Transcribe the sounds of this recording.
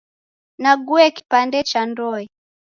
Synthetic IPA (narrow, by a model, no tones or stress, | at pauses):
naɡuɛki̥pandɛt͡ʃandɔɛ